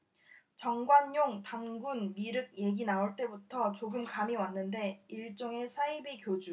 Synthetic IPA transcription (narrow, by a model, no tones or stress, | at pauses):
t͡ɕʌŋɡwanjoŋtanɡunmiɾɯɡ̚je̞ɡinaoɭt͈e̞butʰʌt͡ɕoɡɯmkamiwanːɯnde̞iɭt͡ɕ͈oŋe̞sʰaibikjod͡ʑu